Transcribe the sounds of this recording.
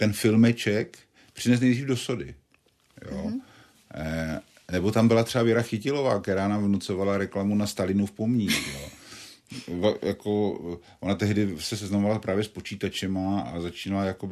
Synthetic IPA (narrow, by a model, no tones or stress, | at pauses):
t̪ɛnfɪlmɛt͡ʃɛk | pr̥ɪnɛs̬nɛjdriːvdo̞sodɪ | jo̰ | nɛbo̞t̪ambɪlat̪r̝̥ɛavjɛɾaxɪcɪlo̞va̰ːkt̪ɛɾaːnaːmvnut͡so̞valaɾɛklamunast̪alɪnufpomɲiːxjo | vjako | ʔonat̪ɛɦdɪsɛsɛznamovalapɾʔaːvjɛspo̞t͡ʃiːt̪at͡ʃɛmaa̰zat͡ʃiːnalajakobɪ